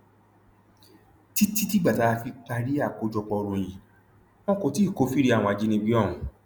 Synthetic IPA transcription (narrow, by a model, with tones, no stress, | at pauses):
ti˦ti˦ti˦ɡ͡ba˨ta˨˦˧fi˧k͡pa˧ɾi˦a˦˨ko˨˦d͡ʒɔ˧k͡pɔ˧ɾõ˨j̃ĩ˨ | mɔ̃˦kõ˧˦ti˨˦˨ko˨˦fi˦ɾi˧˦a˦˨wɔ̃˧a˨d͡ʒi˨˦nĩ˧ɡ͡bi˦ɔ̃˦˨